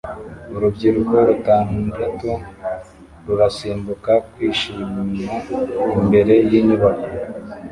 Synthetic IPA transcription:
uɾubɟiɾuɡoɾutaːnudatu | ɾuɾasiːmbukakwiːʃimiaimbe̞ɾe̞jiɲuβako

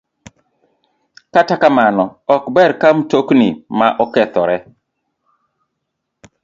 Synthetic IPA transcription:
katakamanɔɔkbɛɾkamtoknimaʔɔkɛt̪ɔɾɛ

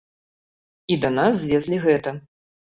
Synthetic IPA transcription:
id̪ɐnaszʲvʲɛzʲlʲiɣɛt̪ɐ

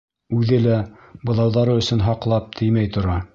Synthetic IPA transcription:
ʉðɘlæ | bɤ̆ðˠɑwðɑɾɤɵ̆sɵ̆nɦɑqlˠɑp̚t̪ʰɘjmæjt̪ŏɾɑ

